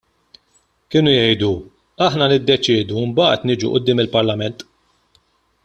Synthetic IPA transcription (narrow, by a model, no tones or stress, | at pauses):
kɪːnʊjɛjd̪u | ɐħnɐnɪd̪ːɛt͡ʃɪːd̪uɪmbɐ̰ːt̪nɪːd͡ʒuʔʊd̪ːɪːmɪlpɐɾlɐmɛnt̪